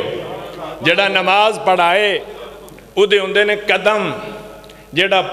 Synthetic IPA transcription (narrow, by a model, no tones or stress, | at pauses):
d͡ʒeːɽaːnəmaːzpəɽaːeː | ʊd̪eːɦʊ̃nd̪eːneːkəd̪əm | d͡ʒeːɽaː